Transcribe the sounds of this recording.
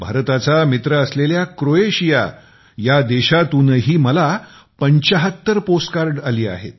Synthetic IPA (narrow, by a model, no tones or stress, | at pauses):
bʱaɾt̪at͡samit̪ɾəəsleljakɾoeɕija̰ | jad̪eɕat̪unəɦiːməla | pəɲt͡ɕəɦət̪ːəɾposʈkaɾɖaliːa̰ɦḛt̪̚